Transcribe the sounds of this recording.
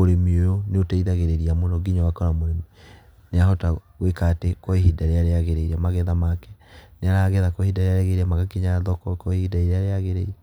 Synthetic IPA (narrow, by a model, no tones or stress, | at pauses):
oɾemiojoneotaiðaɣeɾeɾiamonɔɡiɲawakɔɾamoɾemii | neaɦɔtaɣwekatekɔiɦidaɾeaɾeaɣeɾeiɾɛmaɣɛðamakɛneaɾaɣɛðakɔhidaɾeaɾɛɣeiɾɛmaɣakiɲaðɔkɔkɔehidaiɾeaɾeaɣeɾeiɛ